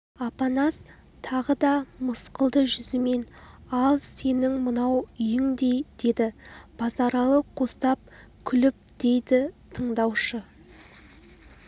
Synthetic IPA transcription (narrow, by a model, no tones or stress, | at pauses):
ɑpɑnɑs | t̪ʰɑʁəd̪ɑməsqəlˠd̪əʒʏzɪme̞nɑlˠse̞nɪŋmənɑwʏjɪŋd̪e̞jd̪̥e̞d̪ɪb̥ɑzɑɾɑlˠəqʰːo̞st̪ɑp̚ | kʲʰʏlɪp̚d̪̥e̞jd̪ɪt̪ʰəɴd̪ɑwʃə